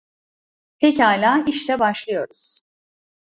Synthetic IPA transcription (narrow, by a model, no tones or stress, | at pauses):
t̪ʰɛcaːlʲaːiʃlɛbaʃlˠɯjo̞ɾuz̥